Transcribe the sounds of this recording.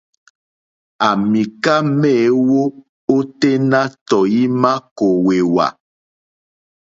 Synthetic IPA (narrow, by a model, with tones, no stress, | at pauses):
a˨mĩ˨ka˦mɛ˦˨˦wo˦ | o˦te˦na˦tɔ˨ji˦ma˦ko˨we˨wa̰˨